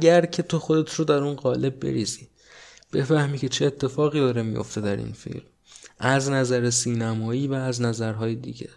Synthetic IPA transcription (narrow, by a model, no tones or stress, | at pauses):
æɟæɾcʰe̞t̪ʰo̞xod̪et̪ʰɾod̪æɾunɢɒːle̞b̚ːe̞̰ɾiːziː | b̥e̞fæhmiːcʰe̞t͡ʃʰe̞ːt̪ʰːe̞fɒːɣiːd̪ɒːɾemḭjo̰ft̪e̞d̪æɾḭnfḭlm | ʔæznæzæɾesiːnæmɒːiːvæːznæzæɾɦɒːjed̪ḭːɟe̞̰